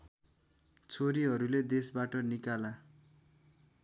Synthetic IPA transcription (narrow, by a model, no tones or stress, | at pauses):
t͡sʰoɾiɦʌɾuled̪esbaʈʌnikala